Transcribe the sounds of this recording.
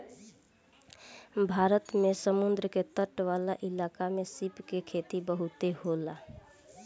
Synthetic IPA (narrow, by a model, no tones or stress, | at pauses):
bʱaɾət̪mesəmund̪ɾəket̪əʈʋalaʔilakamesipkekʰet̪ibəɦut̪ehola